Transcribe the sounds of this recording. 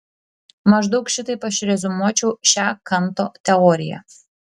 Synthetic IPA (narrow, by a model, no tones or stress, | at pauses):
mɐʒd̪ɒʊkʃʲɪt̪ɐɪpɐʃʲɾʲɛzʲʊmuɔt͡ʃʲɛʊʃʲæːkɐnˑt̪oːt̪ʲɛɔːɾʲɪjæ̰